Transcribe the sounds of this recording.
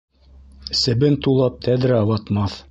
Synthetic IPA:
sɘ̆bɘnt̪ulˠɑp̚t̪ʰæd̪ɾæɑwɑt̪mɑθ

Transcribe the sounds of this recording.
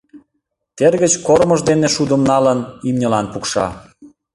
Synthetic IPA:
t̪erɣət͡ɕkoɾməʒd̪eneʃud̪əmnɑlənimnʲə̆lɑnpukʃɑ̰

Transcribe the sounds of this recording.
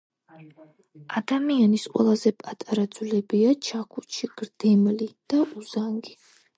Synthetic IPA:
ad̪amianisqʼwɛ̰lˠazɛpʼat̪ʼaɾad̪zwlɛbiat͡ʃʰakʰut͡ʃʰiɡ̥ɾd̪̥ɛmlid̪̥aʔuzaŋɡi

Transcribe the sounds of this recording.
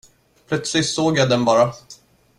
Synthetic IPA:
pʰlœt̪slɪsoːɡjad̪ɛnbɑːɾa

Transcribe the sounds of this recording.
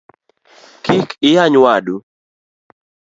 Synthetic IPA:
kikɪjaɲwaɗu

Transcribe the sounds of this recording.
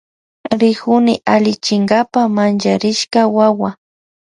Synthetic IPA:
ɾɪkʊnɪʔalɪt͡ʃɪŋɡapamant͡ʃaɾɪʃkawawa

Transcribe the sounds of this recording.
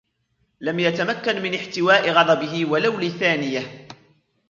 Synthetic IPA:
lamjat̪amakːanmɪnɪħt̪ɪwaːʔɪɣɑd̪ˤɑbɪɦɪwalawliθaːnɪjah

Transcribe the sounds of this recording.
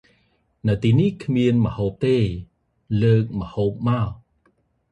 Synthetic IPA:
nɨwt̪iːnihkʰmiənməhoːp̚t̪eː | ləːk̚məhoːp̚ma

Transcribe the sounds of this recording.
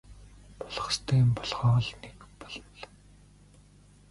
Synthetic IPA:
pʊ̥ɮ̥ə̆χst̪ʰeːmpɔɮʁɔːɮnekpɔɮɞnɮ

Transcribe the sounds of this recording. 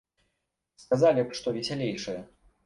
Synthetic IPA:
skazalʲipʂt̪ɔvʲɛsʲalʲejʂɨjɐ

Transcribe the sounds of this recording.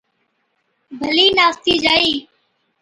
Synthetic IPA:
bʱəliːnaːst̪iːd͡ʒaːiː

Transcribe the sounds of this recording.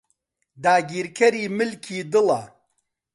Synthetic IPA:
d̪aːɡiːɾkʰɐɾiːmɨlkʰiːd̪ɨlɐ

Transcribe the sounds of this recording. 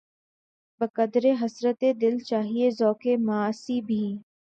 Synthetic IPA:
bəkəd̪ɾeɦɐsɾət̪ed̪ɪlt͡ʃaːɦiezɔːkemaaːsibʱiː

